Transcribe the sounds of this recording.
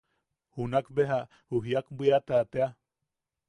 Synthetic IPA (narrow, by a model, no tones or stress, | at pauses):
hunakbeɦa | huɦiakbʷiat̪aːt̪ea